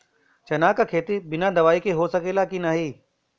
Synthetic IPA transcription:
t͡ʃɐnaːkkʰeːt̪ibɪnad̪ɐʋaːikeɦosɐkeːlakinaɦiː

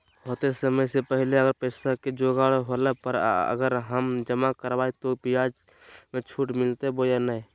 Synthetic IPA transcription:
ɦoːt̪esəməjsepəɦleəɡəɾpəɪsaked͡ʒoɡaɽɦolepəɾə̰ɡəɾɦəmd͡ʒəmakəɾbaːit̪opijad͡ʒ | mẽt͡ʃʰuːʈmɪlt̪ebojanai

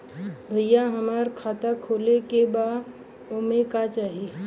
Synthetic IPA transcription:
bʱəjːãɦəmaːɾkʰaːt̪akʰolekeba | omẽkat͡ʃaːɦi

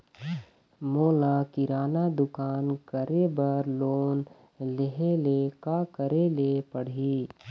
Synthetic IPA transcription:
moːlakɪɾaːnad̪ʊkaːnkəɾebəɾloːn | leɦelekakəɾelepəɽ̤iː

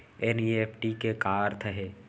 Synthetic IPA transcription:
enieːpʰʈikekaːɾt̪ʰəɦe

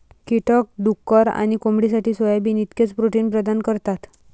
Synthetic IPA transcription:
kiʈək̚ɖukːəɾa̰ɽ̃ikomɽis̬aʈʰiːsʋəjabiːnit̪ket͡spɾoʈiːnpɾəd̪ankəɾt̪at̪

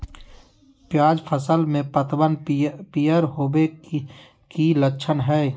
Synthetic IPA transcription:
pjaːd͡ʒpʰəsəlmẽpət̪wənpijəɾɦoːbe | kiləkːʃʰənɦɛː

